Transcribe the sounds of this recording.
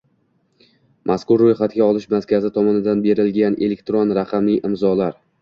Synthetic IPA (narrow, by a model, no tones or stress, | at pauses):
mʔaskʊɾːojχat̪ɡʲaɒlˠɪʃmazkʲazɪt̪ʰɒmɒnɪd̪anbe̞ɾɪlɡʲane̞̰le̞k̚ʲt̪ɾonɾaqʰɑmijʔɪmzɒlaɾ